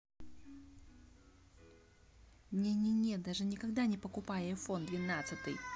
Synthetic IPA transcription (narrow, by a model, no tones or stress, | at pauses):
mnʲenʲenʲed̪aʐɨnʲɪkɐɡd̪anʲɪpəkʊpajɛjfond̪vʲɪnat̪sɨt̪ɨj